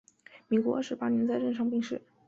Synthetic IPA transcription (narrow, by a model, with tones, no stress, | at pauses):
mi˨˩ɪkwɔ̰˧˥˩ʂɻ̩˧˥pa˥njɛ˧˥nt͡sa˥˧ɪʈ͡ʂə˥˧nʂɑ˥˧ŋpi˥˧ŋʂɻ̩˥˩